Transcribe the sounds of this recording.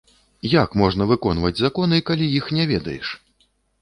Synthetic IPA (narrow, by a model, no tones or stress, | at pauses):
jakmɔʐnɐvɨkɔnvɐd͡zʲzakɔnɨkalʲijixnʲɛvʲɛd̪ɐ̰jɛ̰ʂ